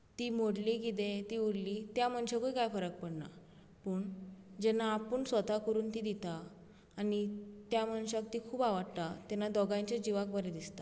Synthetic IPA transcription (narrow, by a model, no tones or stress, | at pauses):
t̪iːmoɽlik̬it̪̬et̪iːuɽlit̪jaməɳɕakuikajfəɾək̚pəɽna̰ | pəːɳd͡ʑɛnaːpəɳsʋət̪akəɾuːnt̪id̪it̪aː | nit̪jamənɕak̚t̪iːkʰuːbaʋaɽt̪at̪ɛnːad̪ɔɡaɲt͡ɕjad͡ʑiʋakbəɾed̪ist̪a